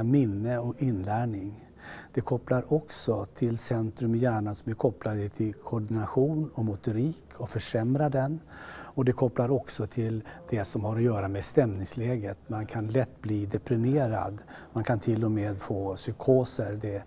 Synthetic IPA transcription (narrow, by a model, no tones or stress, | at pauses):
mɪnːəɔɪnːlæːɳɪŋ | d̪̥ɛkʰɔpːlaɾʔɔksɔt̪ʰɪlsɛnt̪ɾɵmjæːɳansɔmæɾkʰɔpːlad̪ət̪ʰɪlkʰɔɖɪnaɧuːnɔmʊt̪ʊɾiːkʰɔfœʂɛmɾad̪ɛnɔd̪ɛkʰɔpːlaɾɔksɔt̪ʰɪld̪̥ɛsɔmhaɾɔjœːɾamest̪ɛmnɪŋslɛːɡət̪mankʰanlɛt̪ːbliːd̪ɛpɾɪmeːɾa̰d̪mankʰant̪ʰɪlːɔmeːd̪foːsʏkʰoːsəɾd̪ɛ